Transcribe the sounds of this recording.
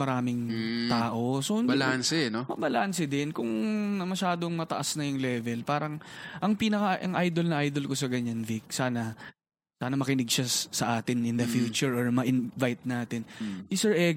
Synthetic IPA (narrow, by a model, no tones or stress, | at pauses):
mɐɾaːmɪŋt̪aːʔo̞sobɐlansɛnomɐbɐlaːnsɪd̪ɪnkʊŋnɐmɐʃaːd̪oŋmɐt̪ɐʔɐsnɐjʊŋlɛːvɛlpaːɾɐŋʔɐŋpinɐkɐʔɐŋʔajd̪olnɐʔajd̪olko̞sɐɡɐɲɐnvik̚saːnɐ | saːnɐmɐkɪnɪɡʃɐsɐʔaːt̪ɪnʔɪnd̪ɐfjuːt͡ʃʊɹɔɹmɐʔɪnvajt̪̚naːt̪ɪnʔɪsɛɹʔɛɡ